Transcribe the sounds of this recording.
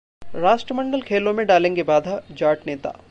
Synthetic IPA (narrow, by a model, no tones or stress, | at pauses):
ɾaːʃʈɾəmə̃ɳɖəlkʰeːlõmẽɖaːlẽːŋɡebaːd̪ʱad͡ʒaːʈneːt̪a̰ː